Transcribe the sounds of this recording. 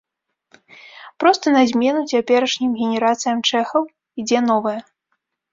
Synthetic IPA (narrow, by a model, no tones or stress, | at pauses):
pɾɔst̪ɐnazʲmʲɛnut͡sʲapʲɛɾɐʂnʲimɣʲenʲɛɾat̪sɨjɐmt͡ʂɛxɐw | id͡zʲɛnɔvɐjɐ